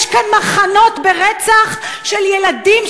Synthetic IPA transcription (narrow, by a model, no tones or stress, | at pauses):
ʃkanmaχano̞tbeʁɛt͡saχʃeljeladim